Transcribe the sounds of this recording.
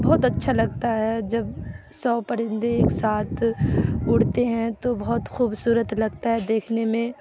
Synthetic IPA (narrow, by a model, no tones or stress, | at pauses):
bɔːt̪ɐtːʃʰalɐɡ̚t̪aɦɛd͡ʒɐbsɔːpɐɾɪ̃nd̪eeːksaːt̪ʰ | ʊɽt̪eɦɛ̃t̪obɔɦt̪xuːbsuːɾət̪lɐɡt̪aɦɛd̪eːkʰnemẽ